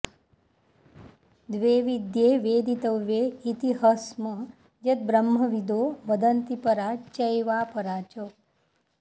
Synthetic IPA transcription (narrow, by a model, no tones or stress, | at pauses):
d̪ʋeːʋid̪jeːʋeːd̪it̪əʋːeit̪iɦəsmə | d͡ʒət̪̚bɾəmːəʋid̪oʋəd̪ənt̪ipəɾat͡ʃəjʋaːpəɾaːt͡ʃo